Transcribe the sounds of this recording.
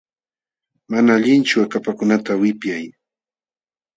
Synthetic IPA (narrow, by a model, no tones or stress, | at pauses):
manaːʎɪnt͡ʃʊakapakʊnat̪awɪpjaj